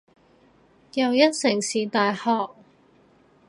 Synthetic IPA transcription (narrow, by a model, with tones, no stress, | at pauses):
jɐ˨wjɐ˥t̚sɪ˨˩ŋsiː˨t̪aː˨jhɔː˨k̚